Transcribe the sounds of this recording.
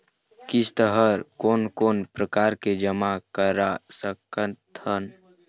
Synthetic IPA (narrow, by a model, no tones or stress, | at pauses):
kɪst̪əɦəɾkoːnkoːnpɾəkaːɾked͡ʒəmakəɾasəkət̪ʰən